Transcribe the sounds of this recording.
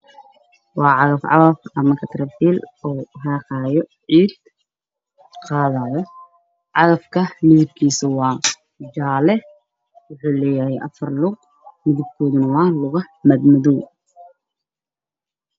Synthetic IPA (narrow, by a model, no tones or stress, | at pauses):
wɑːʕɑðɐfʕɑ̰ɣɐfɐmɐkʰɐt̪ʰɾɐfiːlɔːɦɑːqɑːjɔʕiːd̪ | qɑːðaːjɔ | ʕɑɣɐfkʰɐmɪðɪb̚kʰiːsɐwɑː | d͡ʒaːlɛ | wʊħuːlɛːjɐhɛjʔɐfɐrlʊq̚ | mɪðɪb̚kʰɔːðʊnɐwɑːlʊɣɐħmɐd̪mɐðuw